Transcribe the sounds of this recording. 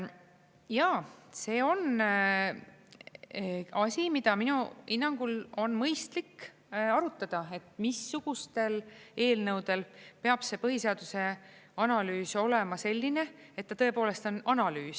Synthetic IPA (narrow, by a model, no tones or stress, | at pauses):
jɑːse̞ːo̞n | ɑsʲimid̪̥ɑminuhinːɑŋɡ̥ulo̞nmɤjst̪likː | ɑɾut̪ːˑɑd̪̥ɑe̞t̪misːuɡ̥ust̪e̞le̞ːlnɤwd̪̥e̞lpe̞ɑb̥se̞ːpɤɦise̞ɑd̪̥use̞ɑnɑlyːso̞le̞mɑse̞lʲːine̞et̪̚ːɑt̪ɤ̞epo̞ːle̞st̪o̞nɑnɑlyːs